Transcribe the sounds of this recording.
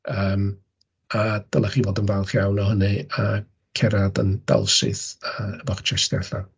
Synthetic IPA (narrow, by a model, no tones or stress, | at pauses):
əːm | ad̥alˠaχiːvoːdənvalˠχjawnɔɦənɨa | kʰɛɾadə̰nd̥a̰lˠʃɪ̰θəəbɔχt͡ʃʰɛʃdɛɬa